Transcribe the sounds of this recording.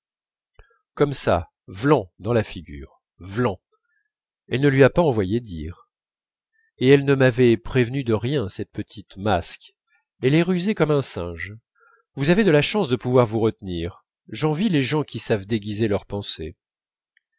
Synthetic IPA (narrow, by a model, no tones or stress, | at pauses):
kɔmsa̰ | vlɑ̃d̪ɑ̃lafiɡʲy̰ːʁ | vlɑ̃ | ɛlnəlɥiapaɑ̃vwajed̪ḭːʁ | eɛlnəmavɛpχevnyd̪əʁjɛ̃sɛt̪̚pət̪ʰit̪mask | elɛʁyzekɔmɛ̃sɛ̰̃ʒ | vuzaved̪əlaʃɑ̃sd̪əpuvwaʁvuʁət̪niːʁ | ʒɑ̃vileʒɑ̃kʲisavd̪eɡʲizelœʁpɑ̃se